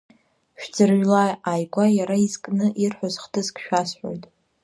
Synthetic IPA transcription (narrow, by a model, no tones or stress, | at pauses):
ʃᶣd͡zɨrɥlajajɡʷajaɾaizkʼnɨʔirħʷozχtʰɨzkʰʼʃᶣasħʷo̰jtʼ